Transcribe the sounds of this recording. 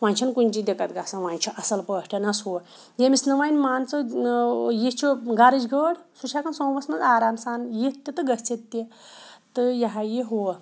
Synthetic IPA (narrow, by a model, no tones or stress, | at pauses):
ʋaːnʲt͡ʃʰinkunʲd͡ʒid̪ekɐt̪ɡasãʋanʲt͡ʃʰiʔɐsɐlpəːʂʈʰɐnɐsɦo | jemisnɐʋanʲmaːnt͡sɨ | jet͡ʃʰoɡaɾid͡ʒɡəɽsut͡ʃʰakɐnsõːʋɐsmɐzaːɾaːmsaːnjet̪ʲːet̪ɨɡɐst͡set̪ːet̪ɨjɐɦajeɦo